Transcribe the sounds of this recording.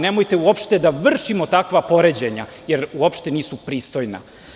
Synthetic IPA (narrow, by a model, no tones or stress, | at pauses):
nemojt̪euopʃt̪e̞d̪aʋr̩ʃimo̞t̪akʋapo̞ɾed͡ʑeɲa | je̞ɾuopʃt̪eniːsupɾiːst̪o̞jna̰